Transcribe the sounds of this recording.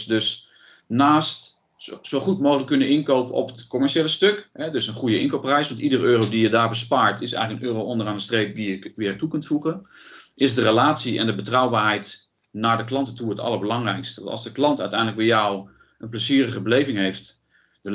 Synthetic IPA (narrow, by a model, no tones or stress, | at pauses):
døs | naːst | soχutmowχələkːɵnənɪnkowpəɔ̰pətkomɛɹʃeːləstøkɦɛdøsənχujəɪŋkowprɛjsʋɑntidərøːrowdijədaːɹbəspaːɹtʰɪsɛ̰jxələkənʔøːrowʔɔndəraːndəstrejp̚dijəʋɪːtukɵntfuχənʔɪsdərəlaːtsiʔɛ̰ndəbətrɔwbaːɹɦɛjt | naɹdəklɑntətuɦətɑ̰lˠəɹbəlɑŋrɛjkstəʋ̰tɑ̰lˠzdəklɑntœ̰ɥtɛjndələk̚bɛjɔw | ʔənpləsiːrəχəbəlejvɪŋɦejft | də